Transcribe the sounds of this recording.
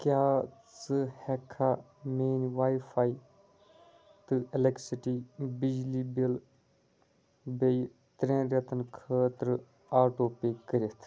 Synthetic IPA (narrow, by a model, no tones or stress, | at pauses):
kjaːt͡sɨhɛkʰːaː | meːnʋaːifʰaːi | t̪ɨeleksiʈibid͡ʒlibil | bej | t̪ɾẽːɾɐt̪ənkʰəːt̪ɾ | aːʈoːpeːkəɾit̪ʰ